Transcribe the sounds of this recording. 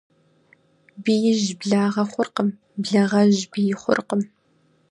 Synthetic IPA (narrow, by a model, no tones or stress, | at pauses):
bijɪʒbɮaːʁɐχʷʊrqəm | bɮɐʁɐʑbijɪχʷʊ̰rqəm